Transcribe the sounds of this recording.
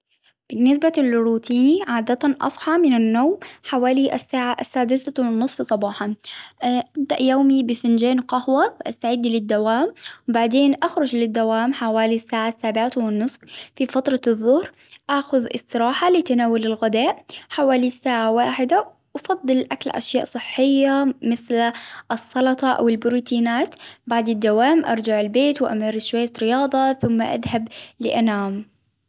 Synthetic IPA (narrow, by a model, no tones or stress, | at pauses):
b̥ɪnːɪs̬balɾuːt̪iːniʕaːd̪at̪anʔɑ̰sˤħɑmɪnanːoːmħawaːliʔasːaːʕaʔsːaːd̪ɪθawɪnːɨsˤfsˤɑbɑːħɑ | ʔab̚d̪aʔjoːmibɪfɪnd͡ʒeːnqɑhwawʔast̪aʕɪd̪lɪd̪ːawaːmwbaʕd̪eːnʔaxɾˤʊd͡ʒlɪd̪ːawaːmħawaːlisːaːʕasːaːbɪʕawɪnːɨsˤffifat̪ɾˤɑðˤːʊhɾ | ʔaːxʊðʔɪ̰st̪ɨɾɑːħalɪt̪anaːwalɪlɣɪd̪aːʔħawaːlisaːʕawaːħɪd̪a | wɑfɑd̪ˤːɨlʔa̰kalʔa̰ʃjaːʔsˤɨħːɪjːamɪθlʔɨsˤːɑlɑt̪ˤɑʔa̰wɪlbɪɾuːt̪ʰiːnaːt̪baʕd̪ɪd̪ːawaːmʔɑ̰ɾˤd͡ʒaʕɪlbeːt̪wʔa̰maɾɪsʃwajːaɾɪjɑːðˤɑθʊmːaʔa̰ðhablɪ̰ʔanaːm